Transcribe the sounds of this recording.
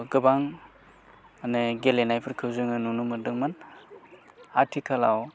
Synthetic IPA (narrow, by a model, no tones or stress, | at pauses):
ɡɯbaŋ | anɯɡelenajpʰɯɾkʰɯwzɯŋɯnunumɯdɯŋman | atʰikʰalaw